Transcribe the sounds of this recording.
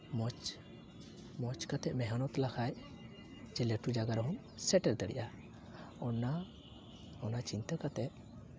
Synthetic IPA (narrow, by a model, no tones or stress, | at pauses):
mɔt͡ʃ | mɔt͡ʃkat̪ɛʔmɛɦanɔt̪lakʰaj | d͡ʒɛleʈud͡ʒaɡaɾɦɔm | sɛʈɛlt̪əɽḭʔa | ɔna | ɔnat͡ʃint̪akat̪ɛʔ̚